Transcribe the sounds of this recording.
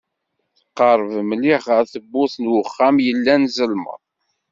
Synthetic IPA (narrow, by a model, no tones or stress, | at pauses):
θə̥qːɑɾˤvmliχəɾθəbːʊθnwəχːæmjəlːænzəlmə̰ðˤ